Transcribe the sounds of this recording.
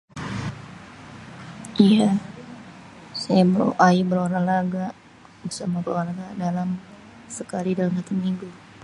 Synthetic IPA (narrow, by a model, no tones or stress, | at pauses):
ija | sajabəɾ̰ʔaibəɾaɾalaɡa | bərsamabəloalaɡadalam | səkalidalamsat̪amiŋɡu